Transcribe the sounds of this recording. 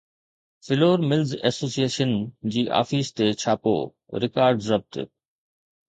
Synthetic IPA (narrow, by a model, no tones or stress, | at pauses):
fɪloːɾmɪlzɛ̰ːsoːsieːʃənd͡ʑiːʔa̰ːfiːst̪et͡ɕʰaːpo̰ː | ɾɪkaːɾɖsɐb̚t̪ɪ̰